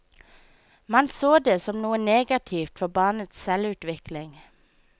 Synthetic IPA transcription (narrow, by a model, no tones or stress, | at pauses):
mɑnsoːd̪eːsɔmnuːəneːɡɑt̪ʰiːft̪fɔbɑːnət̪ssɛlʉːt̪ʋɪklɪŋ